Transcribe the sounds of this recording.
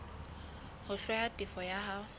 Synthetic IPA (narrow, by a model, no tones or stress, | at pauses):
hʊɬwajatʼifɔjaha